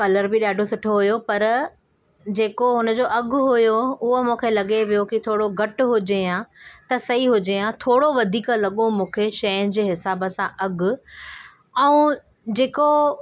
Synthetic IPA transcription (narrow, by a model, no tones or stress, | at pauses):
kɐləɾbɪɗaːɖʱosʊʈʰoɦʊjopɐɾ | d͡ʑeːkoɦʊnə̆d͡ʑoːʔɐɡʱʊɦʊjoʊɦomũːkʰelɐɠeʋijokit̪ʰoːɽoɡʱɐʈɦʊd͡ʑeãt̪ɐsɐɦiɦʊd͡ʑeãt̪ʰoːɽoʋɐd̪ʱiːklɐɠomũːkʰeʃɐjʊnɪ̆d͡ʑeːɦɪsaːbə̆sãʔɐɡʱʊ̆ | ɛũ | d͡ʑeːko